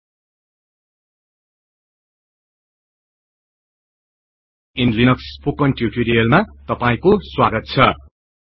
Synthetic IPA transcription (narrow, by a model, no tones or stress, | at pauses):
inlinʌkspokʌnʈjuʈiɾijʌlmat̪ʌpaĩkoswaɡʌt̪̚t͡sʰʌ